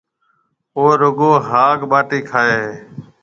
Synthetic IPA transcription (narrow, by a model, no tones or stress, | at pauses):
oːɾʊɡoːɦaːkɓaːʈiːkʰaːeː